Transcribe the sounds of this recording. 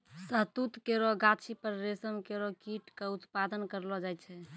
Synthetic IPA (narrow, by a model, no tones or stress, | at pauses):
səɦt̪ut̪keɾɔɡat͡ʃʰipəɾːesəmkeɾɔkiʈkeut̪pad̪ənkəɾlɔd͡ʒajt͡ʃʰɛ